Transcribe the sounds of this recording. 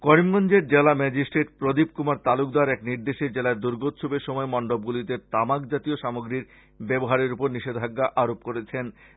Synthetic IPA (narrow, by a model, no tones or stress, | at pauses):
kɔɾimɡɔnd͡ʑeɾd͡ʑelamɛd͡ʑisʈɾeʈpɾod̪ib̚kumaɾt̪alukd̪aɾɛkniɾd̪eʃeɾd͡ʑelaeɾd̪uɾɡot̪ːʃʰubeɾʃɔmɔemɔɳɖob̚ɡulit̪eɾt̪amakd͡ʑat̪ioʃamoɡɾiɾ | bɛboɦaɾeɾupoɾniʃed̪ʱaɡːaʔaɾop̚koɾet͡ɕʰen